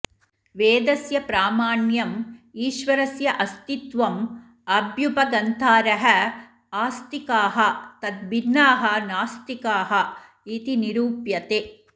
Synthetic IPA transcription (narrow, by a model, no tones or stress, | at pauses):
ʋeːd̪ɐsjɐpɾaːmaːɳjɐmiːʃʋɐɾɐsjɐʔɐst̪it̪ʋɐm | ɐbjubɐɡɐnt̪ʰaːɾɐɦɐ | aːst̪ikaːɦɐt̪ɐd̪ʋinːaːɦɐ̆naːst̪ikaːɦɐ | it̪iniɾuːpjɐt̪eː